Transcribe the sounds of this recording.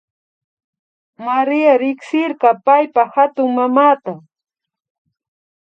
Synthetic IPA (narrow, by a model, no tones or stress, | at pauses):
maɾɪjaɾɪksɪɾɢɑpajpahat̪ʊŋmamaːt̪a